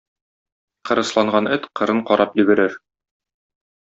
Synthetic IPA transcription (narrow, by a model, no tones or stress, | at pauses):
qɤ̆ɾɤ̆slˠɑɴɢɑnɘt̪qɤ̆ɾɤɴqɒɾʔɑpjɘ̆bɘ̆ɾɘɾ